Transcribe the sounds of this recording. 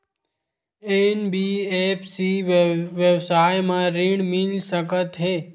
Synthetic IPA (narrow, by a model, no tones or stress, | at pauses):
enbiːeːpʰsiʋjəwsaːjmãɾɪɳmɪlsəkət̪ɦeː